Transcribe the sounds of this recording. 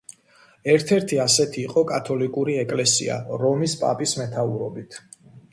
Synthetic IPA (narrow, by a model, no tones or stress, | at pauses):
ɛɾt̪ʰɛɾt̪ʰiasɛt̪ʰiːqʼɔkʼat̪ʰɔlikʼuɾiɛkʼlɛsḭa̰ɾɔmispʼa̰pʼismɛt̪ʰauɾɔbit̪ʰ